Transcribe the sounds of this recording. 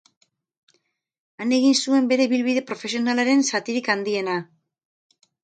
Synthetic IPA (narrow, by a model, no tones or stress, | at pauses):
ane̞ɣ̞insue̞mbe̞ɾe̞βilβiðe̞pɾo̞fe̞sio̞nalaɾe̞nsat̪iɾikand̪ie̞na